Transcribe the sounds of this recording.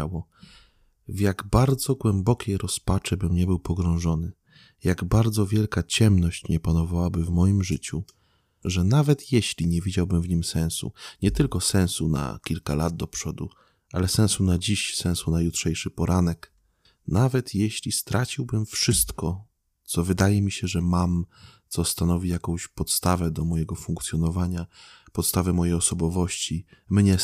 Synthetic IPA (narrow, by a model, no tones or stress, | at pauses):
awɔ | vjaɡbaɾd̪zɔɡwɛmbɔkʲejɾɔspat͡ʂɛbɘmɲɛbɘwpɔɡɾɔ̃w̃ʐɔnɘ | jaɡbaɾd̪zɔvʲjɛlkat͡ɕɛmnɔɕt͡ɕɲɛpanɔvawabɘvmɔjimʐɘt͡ɕu | ʐɛnavɛt̪jɛɕlʲiɲɛvʲid͡ʑawbɘmvɲimsɛ̃w̃sṵɲɛt̪ɘlkɔsɛ̃w̃suna̰kʲilkalad̪̚d̪ɔpʂɔd̪ṵ | ʔalɛsɛ̃w̃sunad͡ʑiɕsɛ̃w̃sunajutʂɛjʂɘpɔɾʔanɛk | navɛt̪jeɕlʲist̪ɾat͡ɕiwbɘmfʂɘst̪kɔ | t̪sɔvɘd̪ajɛmʲiɕɛʐɛmamt̪sɔst̪anɔvʲijakɔ̃w̃ɕpɔt̪st̪avɛd̪ɔmɔjɛɡɔfuŋkt̪sʲjɔnɔvaɲa | pɔt̪st̪avɛmɔjɛjɔsɔbɔvɔɕt͡ɕimɲɛ